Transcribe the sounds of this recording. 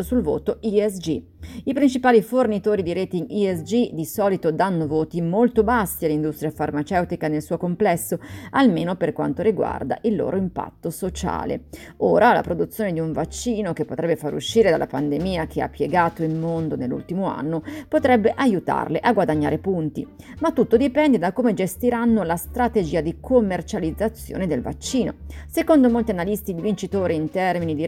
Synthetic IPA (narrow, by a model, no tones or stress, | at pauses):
sulvo̰ːt̪oiɛsd͡ʒi | ipɾint͡ʃipaːlifornit̪oːɾid̪iɾeːt̪iŋɡiɛsd͡ʒid̪isɔːlit̪od̪anːovoːt̪imolt̪obasːialːind̪ust̪ɾjafarmat͡ʃɛwt̪ikanelsuːokomplɛsːoalmeːnoperkwa̰nt̪oɾiɡwa̰rd̪a̰ʔilːo̰ːɾoimpa̰t̪ːosot͡ʃa̰ːlḛ | oːɾala̰pɾod̪ut̪sːjoːned̪iuɱvat͡ʃːiːnokepːot̪ɾɛbːefaɾḛṵʃːiːɾed̪a̰lʔapand̪emiːak̟ea̰pːjeɡaːt̪oilmond̪onelːṵlt̪imoa̰nːopot̪ɾɛbːeʔajut̪a̰rleʔaɡwad̪aɲːa̰ːɾepunt̪ḭ | mat̪ːut̪ːod̪ipɛnd̪ed̪akoːmed͡ʒest̪iɾanːolast̪ɾat̪ed͡ʒiːad̪ikʰomːert͡ʃalid̪zːat̪sːjo̰ːned̪elva̰t͡ʃːiːno̰sekond̪omolt̪ianalist̪id̪ivint͡ʃit̪oːɾiint̪ɛrminid̪i